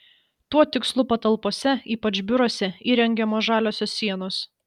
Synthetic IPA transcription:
t̪uɔt̪ʲɪkslˠʊpɐt̪ɐlˠpoɔsʲɛiːpɐt͡ʃbʲʊɾoːsʲɛiːɾʲɛŋʲɡʲɛmoːʒɑːlʲoːsʲoːsːʲiɛnoːs

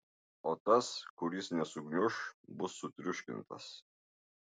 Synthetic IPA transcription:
ɔt̪ɐskʊɾʲisnʲɛsʊɡnʲʊʃbʊsːʊt̪ʲɾʲʊʃʲkʲɪ̰nt̪ɐ̰s

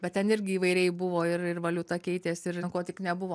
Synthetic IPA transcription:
bʲɛt̪̚tʲɛnɪɾʲɡʲɪiːʋɐɪɾʲɛɪbʊʋoːɪrɪrʋɐlʲut̪ɐkʲɛɪt̪ʲeːsɪɾɪnkoːt̪ʲɪknʲɛbʊʋoː

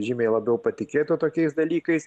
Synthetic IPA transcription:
ʒʲɪmʲeɪlˠɐbʲɛʊpɐt̪ʲɪkʲeːt̪ot̪oːkʲɛɪsd̪ɐlʲiːkɐɪs

